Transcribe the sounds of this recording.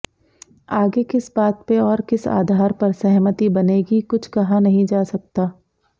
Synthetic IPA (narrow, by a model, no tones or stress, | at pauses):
aːɡekɪsbaːt̪̚peɔːɾkɪsa̰ːd̪ʱaːɾpɐɾsɛɦmət̪ibɐneːɡikʊt͡ʃʰkɐɦãnɐɦĩd͡ʒaːsɐk̚t̪aː